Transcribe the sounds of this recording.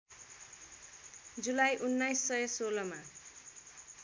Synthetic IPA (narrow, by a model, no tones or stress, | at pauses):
d͡zulajʔunːajsːʌjʌsolʌma